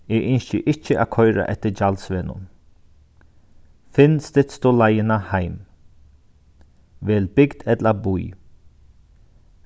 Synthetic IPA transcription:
ɛːʔʏnʃə̰ʔɪt͡ʃːəʔa̰ːkʰɔʏɾa̰ʔɛt̪əd͡ʒalsʋɛːnʊ̰n | fɪnst̪ɪt̪st̪oːlajɪnahajm | ʋɛːlbɪɡd̪ɛt̪labuj

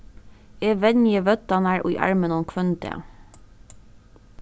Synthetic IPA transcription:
eːʋɛnjəʋœt̪ɑnæɹʔṵːʔɑ̰ɹmənɔnkʰʋœnt̪ʰḛ

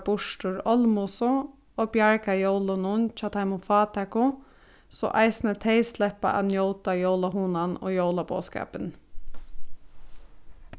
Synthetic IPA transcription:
bʊʂʈʊɹɔlmʊsʊ | oːbjaɹkajoʊlʊnʊnt͡ʃʰaːt̪ʰaɪmʊfɑːt̪ʰɛkʊ | sɔ̰ʔaɪsnət̪ʰeɪslɛhpa̰ʔa̰njoʊt̪ajoʊlaɦuːnano̰ːjoʊlabo̰ːskɑ̰ːpɪn

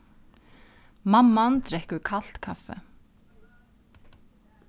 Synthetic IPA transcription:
mamːant̪ɾɛhkʏɾkʰal̥t̪kʰafːɛ̰

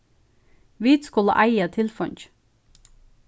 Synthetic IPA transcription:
ʋiːt̪skuːlɑ̰ʔæɪət̪ʰɪlfœɲç

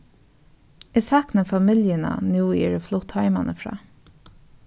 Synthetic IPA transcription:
ɛsɑknəfamɪljəna̰nuːɛːɹəflɔt̪ʰhɑɪmanəfɾɑ̰ː

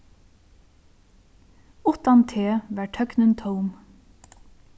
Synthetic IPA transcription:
ʊht̪ɑnt̪ʰeːʋæʈʰœknənt̪ʰɔwm

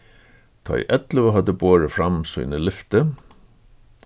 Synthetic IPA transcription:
t̪ʰa̰jʔɛt̪ləʋəɦad̪əboːɹəfɾamsṵːnəlɪft̪ə

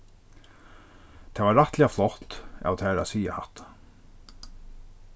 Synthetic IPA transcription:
t̪ʰɛːvaɾaht̪lɛaflɔht̪a̰wt̪ʰɛːɾa̰siːja̰haht̪ḁ

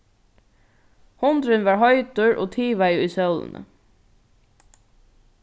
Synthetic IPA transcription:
hʊnd̪ɾɪnʋɑːɹɦɔʏt̪ʊɹʔo̰ːt̪ʰiːʋajiːsœwlə̰nə̰

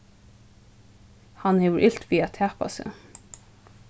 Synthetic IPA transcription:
hanhɛːʋəɹʔɪlt̪ʋiːæt̪ʰæːpa̰sɪ̰

